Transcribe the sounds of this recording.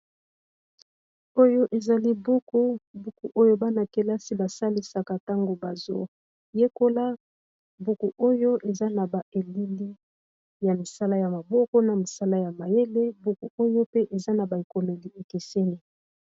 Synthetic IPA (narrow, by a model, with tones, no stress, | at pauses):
o˦jo˦ʔe˨za˨li˦bu˦ku˦bu˦ku˨ʔo˦jo˦ba˦na˨ke˨la˦si˦ba˨sa˦li˦sa˨ka˨ta˦ŋɡo˨ba˨zo̰˨ | je˦ko˦la˦ | bu˦ku˨ʔo˦jo˦ʔe˨za˦na˨ba˨e˨li˦li˦ | ja˨mi˨sa˦la˦ja˨ma˨bɔ˦kɔ˦na˨mi˨sa˦la˦ja˨ma˨je˦le˦bu˦ku˨o˦jo˦pe˦ʔe˨za˦na˨ba˨i˨ko˨me˨li˨e˨ke˨se˦ni˦